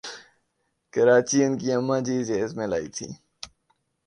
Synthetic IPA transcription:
kəɾaːt͡ʃiʊnkiɐmːãd͡ʒiːzeɪzmela̰ːḭːt̪ʰḭː

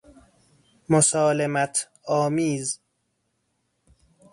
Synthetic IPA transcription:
mosɒːlemæt̪ʰ | ɒːmiːz

